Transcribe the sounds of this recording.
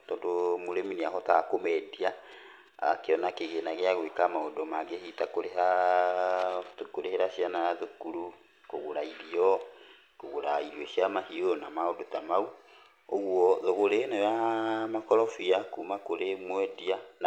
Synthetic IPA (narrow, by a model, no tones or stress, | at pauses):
tɔndomoɾeminiaɦɔtakomɛdia | keɔnakeɣenaɣeaɣwekamaodomaɡehitakoɾeɦa | tukoɾeheɾaɕianajaðukuɾu | koɣoɾaiɾiɔ | koɣoɾaiɾiɔɕjamahionamaodotamau | oɣwɔðoɣoɾenajamakɔɾɔfiakumakoɾemwɛdian